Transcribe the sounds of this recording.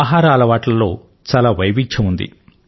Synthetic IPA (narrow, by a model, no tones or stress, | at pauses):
ɦaːɾaːɐlɐʋaːʈlɐlo̞ː | t͡ʃaːlaːʋɐjʋiɲt͡ʃɐund̪ḭ